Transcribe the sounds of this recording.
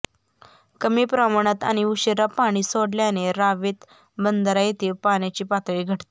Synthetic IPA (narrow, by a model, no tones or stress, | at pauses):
kəmiːpɾamaɽ̃at̪a̰ñiuɕeɾapaɽ̃iːsoɽljaneɾaʋit̪ | bənd̪əɾajet̪iːʋpaɽjat͡ɕiːpat̪ʋiɡʱəʈt̪e